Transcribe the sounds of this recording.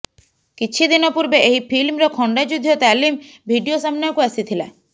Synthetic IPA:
kit͡ʃʰid̪inɔpuɾbeʔeɦipʰilmɾɔkʰɔɳɖad͡ʒud̪ʱijot̪aːlim | bʱiɖijosəmnɛkuɛsit̪ʰilḛ

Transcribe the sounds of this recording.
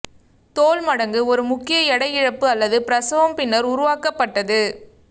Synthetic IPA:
t̪oːlmɐɽɐŋɡɯɔɾɯmʊkːɪjɐɛɽɐɪɪɻɐpːɯɐlːɐðɯpɪɾɐsɐʋɐmpɪnːɐɾʊɾʊʋaːkɐpːɐʈːɐðɯ

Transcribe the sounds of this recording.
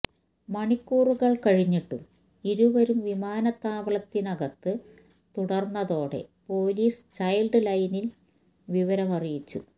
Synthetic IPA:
mɐɳikːuːruɣɐɭkɐɻiɲːiʈːum | iɾuʋɐɾumʋimaːnɐt̪ːaːʋɐɭɐt̪ːinɐɣɐt̪ːɨ | t̪uɽɐrnːɐðo̞ːɽe̞̰po̞ːliːst͡ɕɐjlɖɨlɐjnil | ʋiʋɐɾɐmɐrijit͡ɕːṵ

